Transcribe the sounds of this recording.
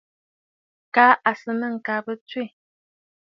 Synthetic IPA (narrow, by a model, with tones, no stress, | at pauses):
kaː˦ʔa˨sə˦nə˦˨ŋ̩˨ka˨˦bə˦twe˦˨